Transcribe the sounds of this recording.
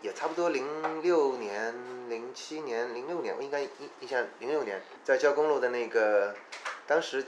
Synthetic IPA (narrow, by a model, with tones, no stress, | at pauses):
jɛ˨˩ʈ͡ʂʰa˥˩pu˩t̪wɔ˥li˧˥ŋljo˥˩ʊnjɛ˧˥nli˧˥ŋt͡ɕʰi˥njɛ˧˥nli˧˥ŋljo˥˩ʊnjɛ̰˧˥nwɔ̰˧˦˥i˥ŋka˥i˧i˥˧ɕja˥˩li˧˥ŋljʊnjɛ̰˧˥n | t͡sa˥˩ɪt͡ɕjʊkʊ˥ŋlu˥˩d̪ə˩na˥˩ɪɡə˩ | t̪ɑ˥ŋʂɻ̩˧˥